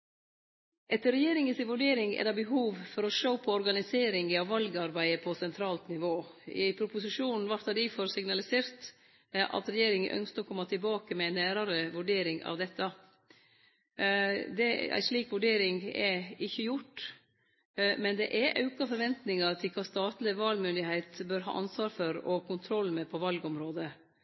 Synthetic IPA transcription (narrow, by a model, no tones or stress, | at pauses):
ʔɛt̪ːəɾɛjeːɾɪŋənsɪnʋʉɖeːɾɪŋɛ̰d̪ɑbəɦuːʋfɔɾɔʂoːpʰɔɔɾɡɑnɪseːɾɪŋɪɑʋʋɑlɡɑɾbæɪəpʰɔsɛnt̪ʰɾɑːlt̪nɪʋoːɪpʰɾʊpʊsɪʂuːnn̩ʋɑɾt̪ɑd̪ɪːfɔɾsɪŋnɑlɪseːɾt̪ | ʔɑ̰t̪ɾɛjeːɾɪŋəʔœ̰nskəɾɔkʰɔmːɑt̪ʰɪlbɑːkəmɛɪnːæːɾɑɾəʋʉɖeːɾɪŋɑ̰ʋd̪ɛt̪ːɑ | d̪ɛæ̰ɪʂɭiːkʋʉɖeːɾɪŋɛɪçːəjʊʈː | mɛnd̪ɛ̰ʔæɾʔɑʉkɑfɔɾʋɛnt̪nɪŋɑɾt̪ʰɪlkʰɑːst̪ɑːt̪lɪʋɑːlmʏnd̪ɪhæɪt̪bøːɾɦɑ̰ːʔɑnsʋɑːɾfɔɾɔkʰʊnt̪ʰɾɔlːmɛpʰɔʋɑlɡɔmɾoːd̪ə